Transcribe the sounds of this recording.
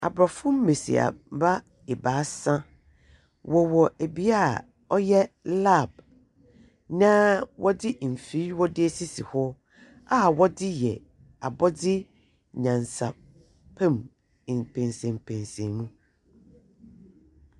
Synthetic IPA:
a̰˨bɾa˨fʊ̃˦m̩˦me˨sḭ˨a̰˨˦ba˦ | ɛ˨baː˨˦sã˦ | wɔ˨wɔ˨ʔe˨bi˨a˦˨ | ɔ˦jɛ˦la˦˨b̚ | nã˦wʔɔ˦dɪ˦m̩˨fi˦wɔ˦dɪ˦e˦si˦si˨hɔ˦ | a˦˨wɔ˦dɪ˦jɛ˨ | a˨bɔ˦dɪ˦ | ɲã˨nsa̰˨ | pʰɛ̃˦m˨ | pʰɛ̃˨nsɛ̃˨m˨pʰɛ̃˨nsɛ̃˨mũ˦

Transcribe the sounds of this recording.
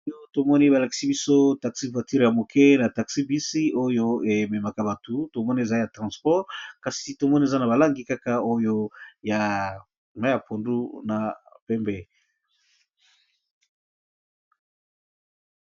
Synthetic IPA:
jo˦to˨mɔ˦ni˦βa˨la˨ki̥˨si˦bi˦so˦ta˨ksi˦vwa˨ti˦ʁja˨mo˨kʰɛ˦na˨ta˨ksi˦bi˦si˦o˦jo˦e˨me˨ma˨ka˦ba˨tu˨to˨mɔ˦ni˦e˨za˦ja˨tʁɑ̃˨spɔ˦ʁka˨si˨to˨mɔ˦nie˨za˦na˨βa˨la˦ŋɡi˨ka˦ka˦o˦jo˦ja˨ | ma˦ja˨pʰo˨ndu˦na˨pɛ˦mbɛ˦

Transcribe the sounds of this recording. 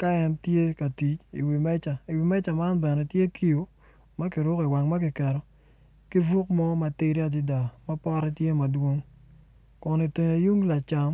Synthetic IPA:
ka˦ɛ˦ntje˦ka˨ti˨t͡ʃḭ˨wi˨mɛ˦t͡ʃa˨i˨wi˨mɛ˦t͡ʃa˨ma˦nbɛ˨nɛ˨tje˦kʰi˦jo˨ | ma˦kɪ˨ɾʊ˦ki˨wa˨ŋma˦k̬ɪ˨kɛ˨ɾɔ˨ | ki˦vu˦k̚mɔ˦ma˨ti˦ɾi˦a˨dɪ˦da˨ma˦pɔ˦ɾɛ˦tje˦ma˨dwo˦ŋ | kʊ˨ni˨te˨ɲa˨ju˦ŋla˨t͡ʃa˨m

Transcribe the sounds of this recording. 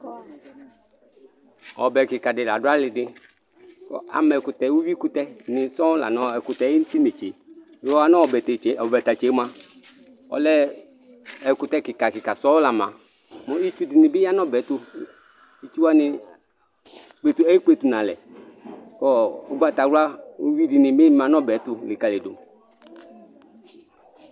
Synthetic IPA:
ɔ̰˨bɛ˨kɪ˨ka˨dɪ˨la̰˨dʊ˦a˦lɪ˧dɪ˧ | kɔ˦a̰˨mɛ˨kʊ˨tɛ˨˦wu˦wi˦kʊ˦tɛ˦nɪ˨sɔ˦la̰˨nɔ˨˦ɛ˨kʊ˨tɛ˨˦i˦n̩˦ti˦ne˨t͡ʃe˨˦˨ | ɔ˦a˦nɔ˦ɔ˨bɛ˨tɔ˨bɛ˨ta˨t͡ʃe˨˦mã˦ | ɔ̰˨lɛ˦ | ɛ˨kʊ˨˦tɛ˦kɪ˨ka˨kɪ˨ka˨sɔ˦la˨mã̰˨ | mɔ˨i˦t͡ʃu˦di˨nɪ̃˨bɪ˦ja˦nɔ˦bɛ˨˦tʊ˧ | i˦t͡ʃu˦wa˦nɪ˧˨ | k͡pe˨tu˦ɛ˦i˦k͡pe˦˧tu˨nã˨lɛ̰˨ | kɔ˦o˨ɡ͡ba˦˨ta˨ɾa˦u˦wi˦di˨nɪ̃˨bɪ˦mã˨nɔ˦bɛ˨˦tʊ˧lɪ˨ka˨le˨do̰˨

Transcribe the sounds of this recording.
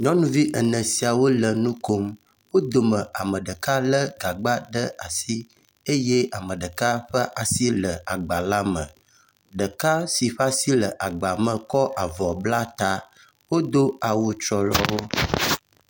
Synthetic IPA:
ɲɔ̃˦nũ˦vi˦ʔə˨nə̃˨si˨a˨wo˦lə˨nũ˦ko˦m | wo˦d̪o˨mə̃˨ʔa˨mə̃˨ɖə˨ka˦lə˦ɡa˨ɡ͡ba˦ɖə˦a˨si˦ | e˦je˦a˨mə̃˨ɖə˨ka˦ɸə˦ʔa˨si˦lə˨a˨ɡ͡ba˨la˦mə̃˨ | ɖə˨ka˦si˨ɸa˦si˦lə˨ʔa˨ɡ͡ba˨mə̃˨kɔ˦ʔa˨vɔ˨bla˦t̪a˦ | wo˦d̪o˦a˨wo˨t͡ʃɾɔ˨lɔ̰˦wo˦

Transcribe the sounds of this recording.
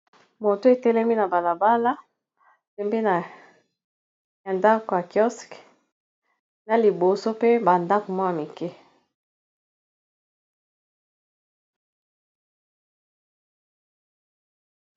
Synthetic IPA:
mo˨to˦e˨tɛ˦lɛ˦mi˦na˨ba˨la˨ba˦la˦ | pɛ˨mbe˦na˨ | ja˨nda˦ko˨ja˨kjɔ˦sk | na˨li˨bo˨so˦pe˦ba˨nda˦ko˨mwa˦na˨mi˨kɛ˦

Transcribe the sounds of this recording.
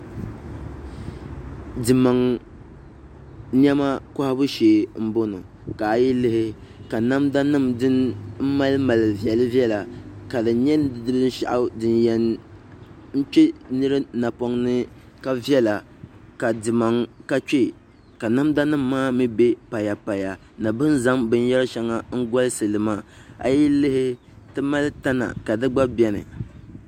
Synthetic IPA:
dɨ˨ma˨ŋ | ɲ˦ɛ˦ma˦kʊ˦ha˦bʊ˦ʃeː˨m̩˦bo˦no˨ | ka˨ji˦lɨ˦hɪ˦ | ka˨na˦mda˦nɨ˦mdɨ˦nm̩˦ma˦lɨ˦ma˨lɨ˨vjɛ˨lɨ˦vi˦ɛ˦la˨ka˨lɨ˨ɲɛ˦n˦dɨ˨dɨ˦lɨ˦n̩˦ʃa̰˦ʔa˦dɨ˨njɛ˨n | n̩˦t͡ʃɛ˦nɨ˦ɾɨ˦na˨po˦ŋnɨ˦ | ka˦vjɛ˦la˨ | ka˨dɨ˨ma˨ŋka˦t͡ʃe˦˨ | ka˨na˦mda˦nɨ˦mːaː˦mɨ˦be˦pa˨ja˨pa˨ja˨ | na˨bɨ˦n˦za˦mbɨ˦n˦jɛ˦lɨ˦ʃɛ˦ŋa˦ŋ̩˦ɡɔ˦lɨ˦sɨ˨lɨ˨maː˦a̰˨ji˦lɨ˦hɪ˦ | tɨ˦ma˦lɨ˦ta˦na̰˨ka˨dɨ˦ɡ͡ba˦bɛ˦nɨ̰˨

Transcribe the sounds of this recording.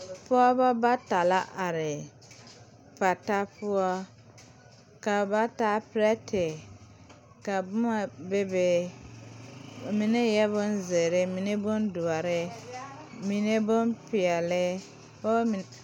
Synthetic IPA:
pʊ˦ɔ˦ba˦ba˦ta˨la˦ʔa˨ɾɪ˨ | pa˨ta˦pʊ˦ɔ˦ | ka˨ba˦ta˦pɾɛ˦tɪ˨ | ka˨bʊ˦ma˨be˦be˨ | mi˨nɛ˦jɛ˦βʊ˦nze˨ɾɪ˦mi˨ne˦bʊ˦ndu˨ɔ˨ɾɪ˦ | mi˨ne˦bʊ˦npɪ˨ɛ˨lɪ˦ | o˦˨

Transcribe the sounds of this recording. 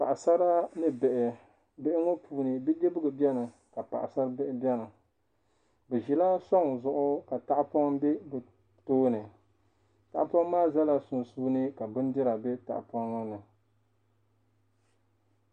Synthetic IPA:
pa̰˨ʔsa˦ɾa˦nɨ˦bɛ˨ʔɪ˨ | bɛ˦ʔɪ˦ŋɔ˦pʰuː˨nɨ˨bɨ˦d͡ʒe˦bɨ˦ɡɨ˨bɛ˦nɨ˨ | ka˨pa̰˨ʔsa˦ɾɨ˦bɛ˦ʔɪ˦bjɛ˦nɨ˨ | bɨ˨ʒi˨la˦sɔ˦ŋ˨zʊ˨ʔʊ˦ka˨ta˦ʔpɔ˦ŋbe˦bɨ˨ | toː˦nɨ˨ | ta̰˨ʔpɔ˦ŋmaː˦za˦la˨sʊ˨nsuː˦nɨ˦ka˨bɨ˦n˦dɨ˦ɾa˨bɛ˦ta̰˨ʔpɔ˦ŋːɔ˦nɨ˨

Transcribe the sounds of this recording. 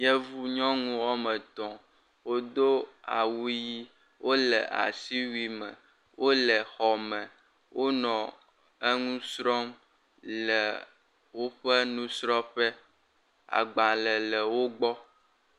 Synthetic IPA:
jɛ˦vu˦ɲɔ̃˦ŋũ˦wɔ˦mɛ˨t̪ɔ̃˨ | wo˦d̪o˦a̰˨wu˦ji˦ | wo˦lɛ˨ʔa̰˨si˦wi˦mɛ̰̃˨ | wo˦lə˨xɔ˨mɛ̃˨ | wʔo˦nɔ̃˨ | ə˦ŋũ˦sɾɔ˦m | lɛ˨ | wo˦ɸɛ˦nũ˦sɾɔ˦ɸɛ˦ | a̰˨ɡ͡ba˨lə˨lə˨wo˦ɡ͡bɔ˦

